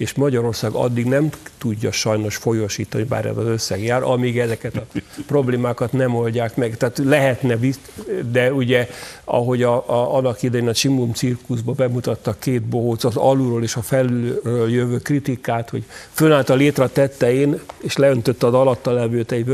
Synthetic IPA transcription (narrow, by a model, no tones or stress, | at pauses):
eːʃmɒɟɒɾo̞rsaːɡɒ̰d̪ːiɡnɛmt̪uɟːɒʃɒjno̞ʃfo̞joʃḭːt̪ɒniba̰ːɾɛ̰zɒzøsːɛɡjaːɾɒ̰miɡɛzɛkɛt̪ɒpro̞bleːmaːkɒt̪nɛmo̞lɟaːkmɛɡt̪ɛːt̪lɛɦɛt̪nɛvi | d̪ɛuɟɛɒ̰ɦo̞ɟɒɒnːɒkid̪ɛjeːnɒʃimumt̪sirkuzbɒbɛmut̪ɒt̪ːɒkeːt̪boɦoːt̪sɒzɒ̰luɾoːleːʃɒfɛlyrøːljøvøːkrit̪ikaːt̪ho̞̰ɟfønaːlt̪ɒlːeːt̪rɒt̪ɛt̪ːɛeːneːʃlɛønt̪øt̪ːɒzɒlɒt̪ːɒlɛvøːt̪ɛɟ